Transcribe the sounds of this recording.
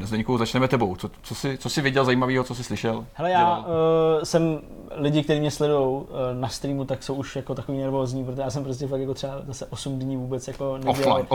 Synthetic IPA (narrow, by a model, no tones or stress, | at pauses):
nazd̪ɛɲkowzat͡ʃnɛmɛt̪ɛbowt͡sot͡sosɪt͡sosɪvɪɟɛlzajiːmaviːɦot͡sos̬ɪslɪʃɛlhɛlɛjaː | sɛm | lɪɟɪkt̪ɛɾiːmɲɛslɛdujo̞wnast̪ɾiːmut̪aksowuʃjakot̪akoviːnɛɾvo̞ːzɲiːpɾot̪oejaːsɛmpɾo̞s̬cɛfakjako̞t̪r̥ɛbazasɛʔo̞sumdɲiːvuːbɛt͡sjako̞nɛɟfɛllal